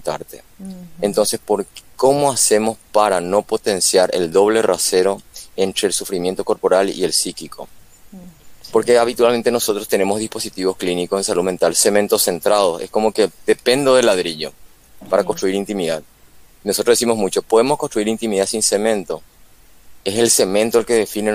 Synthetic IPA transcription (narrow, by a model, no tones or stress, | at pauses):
t̪a̰ɾt̪eent̪o̞nse̞spo̞ɾkko̞mo̞ase̞mo̞spaɾano̞po̞t̪e̞nsjaɾʔe̞̰ld̪o̞βle̞rʔa̰se̞ɾo̞e̞nt̪ɾe̞ːlsufɾimje̞nt̪o̞ko̞ɾpo̞ɾalḭelsikikʰo̞̰ | po̞ɾkeaβit̪walme̞nt̪e̞no̞sot̪ɾost̪e̞ne̞mo̞ɦðispo̞sit̪iβo̞sklinikosens̬alume̞nt̪alse̞mẽ̞nt̪ose̞nt̪ɾað̞o̞sesko̞mo̞ke̞ðe̞pe̞nd̪oðelːaðɾiʎo̞̰ | paɾakonst̪ɾuiɾint̪imiðað | nosot̪ɾoðes̬imo̞ɦmut͡ʃo̞po̞ðemoshkonst̪ɾuiɾint̪imiðasinse̞mẽ̞nt̪o̞ | eselse̞mẽ̞nt̪oelke̞ðefine